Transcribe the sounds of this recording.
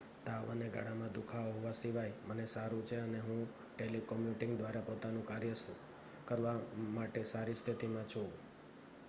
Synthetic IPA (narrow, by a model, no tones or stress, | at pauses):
t̪aəneɡa̰ɽamãd̪ukʰaoɦoʋasiʋajmənesaɾũt͡ʃʰeəneɦũ | ʈelikɔmjuʈɪ̃ŋɡd̪ʋaɾapot̪anũkaɾjəs | kəɾʋamaʈesaɾist̪ʰit̪imãt͡ʃʰũ